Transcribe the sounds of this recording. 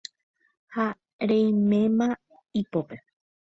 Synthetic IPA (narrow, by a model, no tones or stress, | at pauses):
ha | ɾẽj̃mẽ̞mã | ipope̞